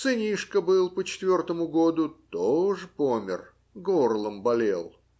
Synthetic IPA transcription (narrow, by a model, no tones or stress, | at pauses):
sɨnʲiʂkəbɨlˠpət͡ɕɪ̥t̪vʲo̞rt̪əmʊɡod̪ʊt̪oʐɨpomʲɪ̰r | ɡorlˠəmbɐlʲelˠ